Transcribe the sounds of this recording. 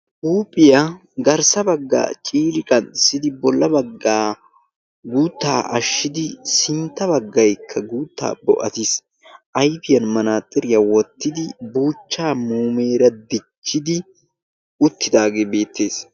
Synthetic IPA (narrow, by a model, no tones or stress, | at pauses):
ʔuːpʼːɪja | ɡɐɾsɐbɐɡːa̰ːt͡ʃʼiːɾɪkʼɐnɪsːɪd̪ɪbɔlːɐbɐɡːaː | ɡuːt̪ːa̰ːʔɐ̰ʃːɪd̪ɪsɪnt̪ːɐβɐɡːɐjkʰːɐɡuːt̪ʰːa̰ːbɔ̰ʔɐt̪is | ʔɐjfɪjɐnmɐnaːt̪ʼːɪɾɪjɐwɔt̪ːɪd̪ɪbuːt͡ʃːaːmuːme̞ːɾɐd̪ɪt͡ʃːɪd̪ɪ | ʊt̪ʰːɪd̪aːɡeːbe̞ːt̪ʰːe̞ːs